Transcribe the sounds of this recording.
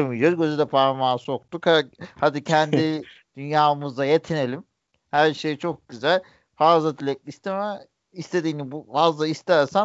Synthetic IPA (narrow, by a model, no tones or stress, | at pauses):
miliɾɟøzed̪ɛpʰaɾamaːso̞k̚t̪ukhahad̪icʰɛnd̪i | d̪̥ynjaːmuzd̪ajet̪ʰine̞lʲim | hæɾʃe̞jt͡ʃʰo̞k̚ɟyzælʲ | fazlˠad̪ʰilʲɛk̚lʲist̪ʰemɛ | ist̪e̞d̪iːnibuvazlˠaist̪ʰæɾsa